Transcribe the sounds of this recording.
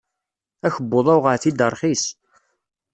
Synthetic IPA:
æçəbːoðˤæwʁəɾθid̪əɾˤχis

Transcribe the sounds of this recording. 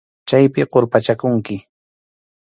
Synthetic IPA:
t͡ʃajpɪɢoɾpat͡ʃakʊŋkɪ

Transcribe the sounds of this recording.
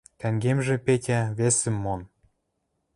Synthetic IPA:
t̪æŋɡemʒĕpetʲæβesɘ̆mːon

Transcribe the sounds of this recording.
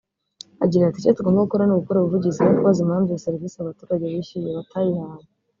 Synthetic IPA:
aɟiɾaatit͡ʃetuɡo̞ːmbaɡukoɾanoɡukoɾaβuvuɟizinukuβazimhaːmzjaseɾivisiaβatuːɾaɟeβiʃijeβatʰajihaɾi

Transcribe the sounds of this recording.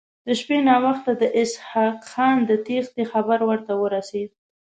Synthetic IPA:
d̪̥əʃpenɑwaxt̪ad̪əʔɪshɑqxɑnd̪ət̪ext̪exabaɾwəɾt̪awəɾased̪̚

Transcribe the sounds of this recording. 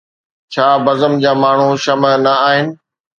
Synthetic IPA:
t͡ɕʰaːbɐzəmd͡ʑaːmaːɳ̤uʃɐmənɐaːɦɪnɪ̆

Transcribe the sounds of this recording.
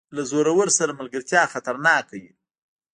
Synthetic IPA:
lazoɾawəɾsaɾamalɡəɾt̪jɑxat̪aɾnɑkawi

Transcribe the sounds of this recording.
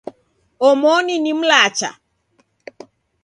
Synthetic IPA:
ɔmɔninim̩laːt͡ʃa̰

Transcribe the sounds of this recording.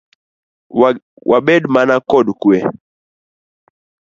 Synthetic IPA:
wʔaɓɛdmanakɔdkuɛ

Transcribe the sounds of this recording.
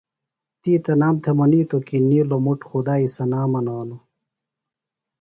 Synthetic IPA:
t̪iːt̪ɐnaːmt̪ʰemɐniːt̪okiniːlomuʈxud̪aːisɐnaːmɐnaːno

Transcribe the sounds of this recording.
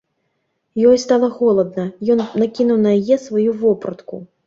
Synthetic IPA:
jɔjst̪alˠɐɣɔlˠɐd̪̚nɐjɔnnakʲinuwnɐjajɛsvajuvɔpɾɐt̪kṵ

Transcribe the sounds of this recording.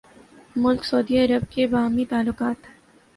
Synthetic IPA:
mʊlksoːd̪iɐɾəb̚kebaːmit̪aːlːʊqaːt̪ɦɛː

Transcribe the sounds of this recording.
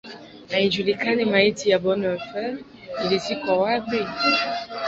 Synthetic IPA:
aid͡ʒulikanemaitijabɔnɔfɛ | ilesikwawaɡ͡be

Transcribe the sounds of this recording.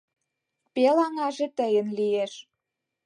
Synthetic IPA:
pelɑŋɑʒet̪əjə̆nlieʃ

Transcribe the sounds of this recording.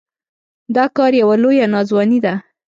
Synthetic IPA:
d̪ɑkɑɾjawalojanɑzwɑnid̪a

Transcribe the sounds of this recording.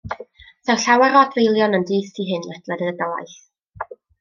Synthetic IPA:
θɛwɬawaɾɔdvejlˠjɔnəndiːθiɦɨnlˠɛd̥lˠɛdəədɔa̰jθ

